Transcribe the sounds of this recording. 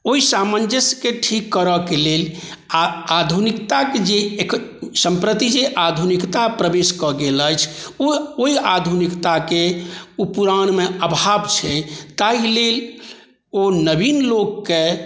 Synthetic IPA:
oisamənd͡ʒəskeʈʰikːəɾəkelel | aad̪ʱunikt̪aked͡ʒeksəmpɾət̪id͡ʒeʔad̪ʱunikt̪apɾəbeskɔɡeləjt͡ʃʰooiad̪ʱunikt̪akeupuɾañmeəbʱabt͡ʃʰɛt̪ailel | onəbinlokːe

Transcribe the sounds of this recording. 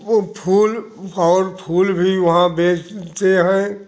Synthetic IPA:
pʰuːl | ɔːɾpʰuːlbʱiʋɐɦãbeːt͡ʃt̪eɦɛ̃

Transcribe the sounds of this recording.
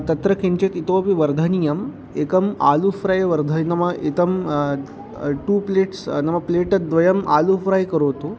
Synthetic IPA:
t̪ɐt̪ɾəkʰeɳt͡ɕet̪it̪opiʋɐɾd̪ʱɐnijɐm | ekɐma̰lufɾajʋɐɾd̪ʱənɐmɐit̪əm | ʈuːpleʈsnɐmːɐpleʈɐd̪ʋɐjɐma̰lufɾajkəɾot̪o

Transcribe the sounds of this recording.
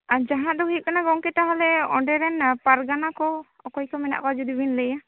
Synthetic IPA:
ad͡ʒaɦãʔd̪ɔɦuit̚kanaɡɔŋkɛt̪aɦalɛɔɖɛɾɛnpaɾɡanakɔ | ɔkɔjkɔmɛna̰ʔkɔad͡ʒud̪ibinləja

